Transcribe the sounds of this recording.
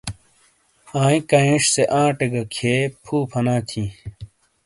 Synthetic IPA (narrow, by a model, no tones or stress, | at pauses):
ãːĩkɐẽːʂseʔãːʈeɡɐkʰeːpʰuːpʰɐnãːt̪ʰĩ